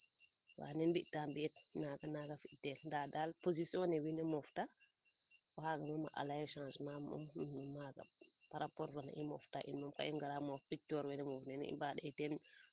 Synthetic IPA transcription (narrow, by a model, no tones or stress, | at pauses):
wa̰nɛnbiʔtːambiɛtnaɡanaɡafitɛlndadalpoz̬isiɔnɛwinɛmɔfta | wahaɡamama̰ʔa̰lajɛʃãsmamṵmnumaɡa̰paɾapɔɾfɔna̰ʔimɔ̰ftaʔḭnmamka̰inɡalamɔfpitɔɾwɛnɛmofnɛn̰ḭmbaɗɛtɛn